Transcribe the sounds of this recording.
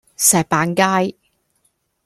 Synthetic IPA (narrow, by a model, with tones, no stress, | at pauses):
sɛː˨˩pːaː˨˥nkaː˥j